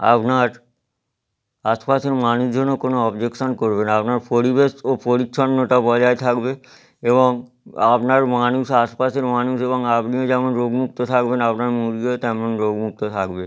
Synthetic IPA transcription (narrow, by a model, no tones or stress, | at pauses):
a̰pnaɾ | aʃpaseɾmanuʃd͡ʑʱonːokonoɔbd͡ʑekʃonkoɾbenapnaɾpoɾibesopoɾikʃʰonːoʈabɔd͡ʑaet̪ʰakbe | eβoŋ | apnaɾmanuʃaʃpaseɾmanuʃeβoŋapniod͡ʑɛmonɾoɡmuk̚t̪ot̪ʰakbenapnaɾmuɾiot̪ɛmonɾoɡmuk̚t̪ot̪ʰakbe